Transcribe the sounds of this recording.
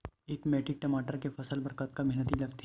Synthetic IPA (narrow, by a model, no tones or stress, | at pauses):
eːkmɛːʈɪk̚ʈɐmaːʈəɾkefɐsəlbɐɾkət̪̚kamɛɦnət̪ilɐɡt̪i